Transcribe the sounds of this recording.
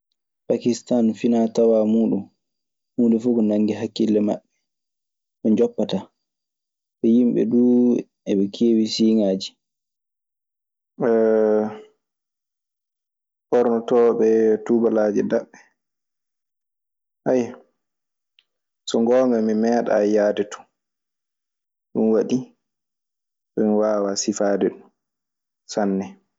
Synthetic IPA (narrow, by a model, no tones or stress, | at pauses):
pakistanfinatawamuːɗum | huːndɛfuɡɔnaŋɡiɦakːilːɛma̰ɓːɛ | ɓɛɲd͡ʒɔpːata | ɓɛjimɓɛ̰duː | ɛɓɛkʰeːwisiːŋaːd͡ʒi̥ | ɛ | ɓɔɾnɔtɔɓɛtuːbalad͡ʒɛdaɓːɛ | ʔaj | sɔŋɡɔːŋɡamimɛːɗa̰jaːdɛtu̥ | ɗunwaɗi | sɔmiwaːwasifaːdɛɗum | sanːɛ